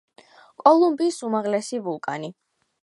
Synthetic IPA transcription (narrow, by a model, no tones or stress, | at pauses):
kʼɔlˠumbiːsumaʁlɛsivulˠkʼa̰ni